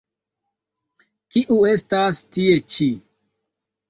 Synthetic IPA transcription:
kiʔuestastiet͡ʃi

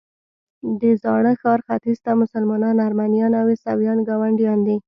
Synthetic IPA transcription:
d̪əzɑɽəxɑɾxat̪izt̪amʊsalmɑnɑnaɾmanijɑnawesawjɑnɡɑwaɳɖijɑnd̪i

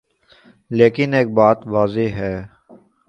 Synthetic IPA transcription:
leːkɪneːk̚baːt̪ʋaːzeɦɛː

